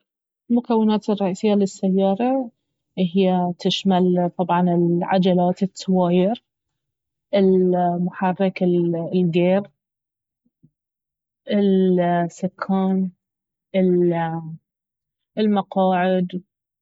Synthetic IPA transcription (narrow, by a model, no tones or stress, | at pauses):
lmʊkawːɪnaːt̪ɪrˤːɑʔiːsɪjːalɪsːajːɑːɾˤɑ | ʔɪhɪjːat̪ɪʃmalt̪ˤɑbʕɑnɪlʕa̰d͡ʒalaːt̪ɪt̪ːawaːjɪɾ | ʔɪlmʊħɑrˤːɪkɪllɡeːɾ | ʔɪlsʊkʰːaːn | ɪl | ɪlmɑqɑːʕɪd̪